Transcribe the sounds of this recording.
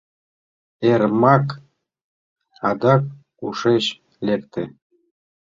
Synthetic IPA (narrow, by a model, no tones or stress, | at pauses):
ermɑk | ɑd̪ɑk̚ | uʃeɕ | lʲekt̪e